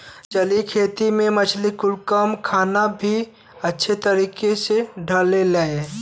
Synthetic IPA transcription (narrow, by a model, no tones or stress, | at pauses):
t͡ʃəlikʰeːt̪imẽmət͡ʃʰlikʊɽkəmkʰaːnabʱi | ɐtːʃʰet̪əɾiːkeseɖʱəlelae